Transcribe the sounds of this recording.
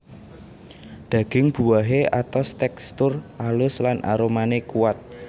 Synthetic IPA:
d̪̥ä̤ɡ̥ɪŋb̥ṳwaɦeʔat̪ast̪ɛkst̪ʊrʔalʊslanʔa̰ɾomanekuwat̪̚

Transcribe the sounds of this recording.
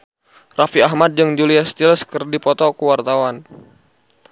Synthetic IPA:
rafiaɦmat̪̚d͡ʒɨŋd͡ʒuliast̪ilskərdipɔt̪ɔkəwart̪awan

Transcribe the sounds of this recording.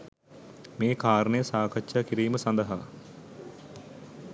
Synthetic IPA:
meːkaːɾəɳəjəsaːkatːʃaːkiɾiːməsɐnd̪əɦa

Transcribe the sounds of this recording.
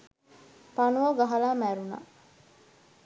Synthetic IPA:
panuʋɐɡaɦɐlaːmæɾuna̰

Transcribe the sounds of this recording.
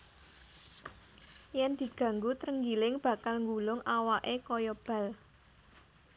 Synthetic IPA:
jɛnd̪̥i̤ɡ̥ä̤ŋɡut̪ɾəŋɡilɪŋb̥ä̤kalŋɡulʊŋawaʔekɔjɔb̥a̤l

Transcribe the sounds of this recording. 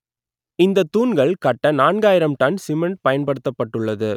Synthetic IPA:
ɪnd̪ɐt̪ːuːnɡɐɭkɐʈːɐnaːnɡaːjɪɾɐmt̪ɐnsɪmɛɳʈ̚pɐjɐnpɐɽɯt̪ːɐpːɐʈːɯɭːɐðɯ

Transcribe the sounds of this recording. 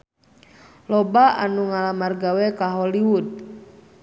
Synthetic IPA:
lɔbaanuŋalamarɡawɛkaɦɔliwud̪̚

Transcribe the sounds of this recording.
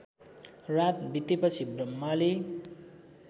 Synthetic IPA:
rat̪̚bit̪ːipʌt͡sʰibrʌmːale

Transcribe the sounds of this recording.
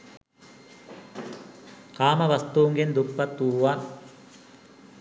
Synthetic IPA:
kaːmɐʋɐst̪uːŋɡend̪upːɐt̪ːuːʋaːn

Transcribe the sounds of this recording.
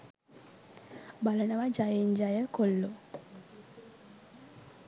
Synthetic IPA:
balənəʋad͡ʒajeɲd͡ʒajəkolːo

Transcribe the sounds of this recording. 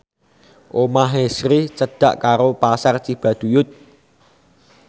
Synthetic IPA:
ʔomaɦesɾit͡ʃəɖ̥ä̤ʔkaɾopasart͡ʃib̥a̤d̪̥ujʊt̪̚

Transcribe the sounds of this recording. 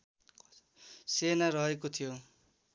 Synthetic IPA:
senaɾʌɦekot̪ʰijo

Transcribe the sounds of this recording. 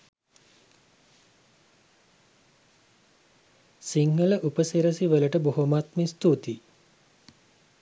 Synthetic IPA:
siŋːələʔupəsiɾəsiʋələʈəboɦumat̪mist̪ut̪i

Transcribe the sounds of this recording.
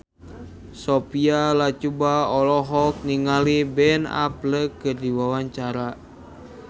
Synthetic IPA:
sɔpialat͡ʃubaɔlɔɦɔk̚niŋalibɛna̰pləkɨrdiwawaɲt͡ʃaɾa

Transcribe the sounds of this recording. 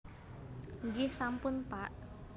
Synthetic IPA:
ɲd͡ʒɪhsampʊnpaʔ

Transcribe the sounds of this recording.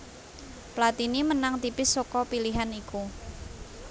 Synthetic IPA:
plat̪inimənaŋt̪ipɪsːokɔpiliɦaniku

